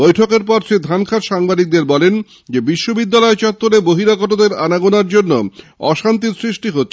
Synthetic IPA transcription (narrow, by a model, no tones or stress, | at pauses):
bojʈʰokeɾpɔɾʃed̪ʱankʰaɾʃaŋbad̪ik̚d̪eɾbɔlen | d͡ʑebiʃːobid̪ːalɔet͡ɕɔt̪ːoɾeboɦiɾakɔʈod̪eɾanaɡonaɾd͡ʑonːo̰ɔʃant̪̬iɾsɾiʃʈiɦotːʰe